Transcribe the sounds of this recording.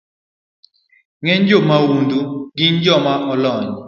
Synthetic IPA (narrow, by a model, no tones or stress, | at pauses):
ŋɛɲd͡ʒɔmawund̪uɡiɲd͡ʒɔmaʔɔlɔɲ